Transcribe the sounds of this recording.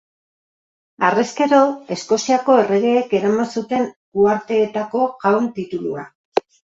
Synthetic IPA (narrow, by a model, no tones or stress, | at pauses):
areske̞ɾo̞e̞sko̞siako̞e̞re̞ɣ̞e̞ːke̞ɾamansut̪e̞ŋɡuaɾt̪e̞ːt̪ako̞ɣawnt̪it̪ulua